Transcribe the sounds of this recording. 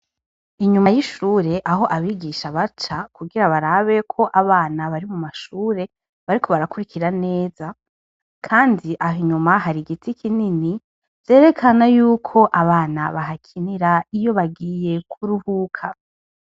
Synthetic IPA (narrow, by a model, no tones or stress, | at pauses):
iɲumajiʃuːɾe̞ʔaɦo̞ʔaβiɡiʃaβat͡ʃakuɡiɾaβaɾaβe̞kʰo̞ʔaβaːnaβaɾimumaʃuːɾe̞ | βaɾikʰo̞βaɾakuɾikiɾane̞ːza | kʰaːndiʔaɦiɲumaɦaɾiɡitʰikʰinini | vzje̞ːɾe̞kʰanajuːkʰo̞ʔaβaːna̰βaɦakʰiniɾaijo̞βaɡiːje̞kʰuɾuhuːkʰa